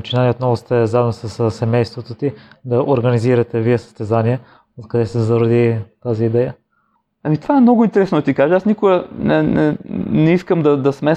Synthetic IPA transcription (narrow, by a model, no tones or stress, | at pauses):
t͡ʃinaniot̪nɔvʊst̪ɛzaɛmnosɐssːɛmɛjst̪vot̪ot̪id̪ɐʔoɾɡɐniziɾɐt̪ɛvijɛsɐ̥st̪ɛzaniɛ | kɐd̪ɛst̪ɛzɐɾod̪it̪aziːd̪ɛjə | ɐmit̪ovaɛmnɔɡʊint̪ɛɾɛsnod̪ɐt̪ikaʒəasnikoɡənɛnɛnɛiskəmd̪ɐd̪ɐsmɛ